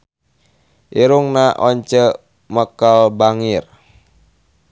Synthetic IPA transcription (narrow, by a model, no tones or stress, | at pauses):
ʔiɾuŋnaʔɔɲt͡ʃə | məkəlbaŋir